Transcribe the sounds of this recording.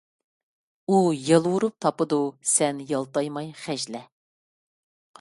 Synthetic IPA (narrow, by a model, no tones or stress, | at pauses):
ujɑlˠwuɾup̚t̪ʰɑpɨd̪usɛnjɑlˠt̪ɑjmɑjχæʒlɛ